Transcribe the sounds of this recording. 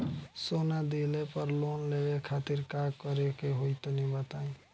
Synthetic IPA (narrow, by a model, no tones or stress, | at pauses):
sonad̪ilepəɾlonleekʰat̪iɾkakɔɾekeɦojt̪onibat̪aĩ